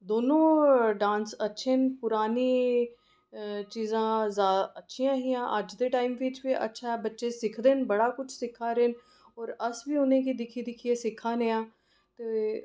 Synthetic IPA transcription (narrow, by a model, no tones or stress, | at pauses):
d̪oːnõːɖãːnsətːʃʰeːnpʊɾaːniː | t͡ʃiːzãːzaːd̪aətːʃʰijãːɦiːãːʔəd͡ʒd̪eːʈaːimʋiːt͡ʃʋiːʔə̰tːʃʰaːɛːbətːʃeːsɪkʰd̪eːnbəɽaːkʊt͡ʃʰsɪkʰːaːɾeːn | ɔːɾəsbiːʊnẽːkiːd̪ɪkʰid̪ɪkʰieːsɪkʰːaːneːãː | t̪eː